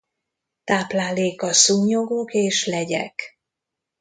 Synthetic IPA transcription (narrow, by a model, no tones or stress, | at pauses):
t̪aːplaːleːkɒsuːɲoɡokeːʃlɛɟɛ̰k